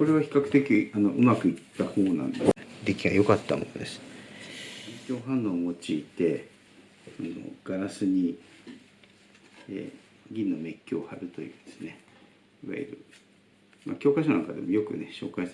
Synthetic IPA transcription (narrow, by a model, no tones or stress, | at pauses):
ko̞ɾe̞βaçi̥kakɯ̟̥t̪e̞kʲiano̞ʔɯ̟makɯ̟it̪ːaho̞ːnã̰nd̪ed̪ekʲiɡajo̞kat̪ːamo̰nod̪e̞sɨ̥ | mekʲo̞ːɦãnːõːmo̞t͡ɕiːt̪e̞ | ano̰ɡ̥aɾasɨɲ̟i | ḛː | ɡʲĩnːo̞me̞kʲːo̞ːhaɾɯ̟t̪o̞jɯ̟ːnd̪̥e̞sɨne̞ | iβa̰ḭɾɯ̟̰ | ma̰kʲo̞ːkaiɕona̰ŋkad̪e̞mo̞jo̞kɯ̟ne̞ɕo̞ːkais